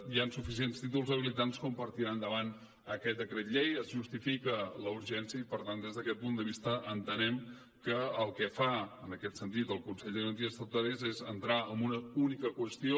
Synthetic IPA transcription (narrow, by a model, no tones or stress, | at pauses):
jansufis̬ienst̪it̪̬ulˠzəβilit̪anskumpəɾt̪iɾand̪əβan | əkɛt̪̚d̪əkɾet̪ʎejəzʒust̪ifikələuɾʒɛnsiəipəɾt̪and̪ezðəkɛt̪̚pund̪əβist̪əʔənt̪ənɛm | kəəlˠkɛfaənəkɛt̪sənt̪̬it̪əlˠkunsɛʎd̪əɾənt̪iəst̪əwt̪aɾezezənt̪ɾaəmbunəunikəkwəst̪io